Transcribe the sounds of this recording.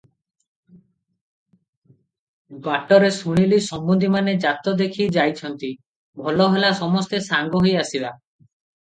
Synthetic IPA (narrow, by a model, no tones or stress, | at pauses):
baʈɔɾesuɽ̃ilisɔmbund̪ʱimaned͡ʒat̪ɔd̪ekʰid͡ʒajt͡ʃʰɔnt̪i | bʱɔlɔɦelasɔmɔst̪esaŋɡɔɦojasiba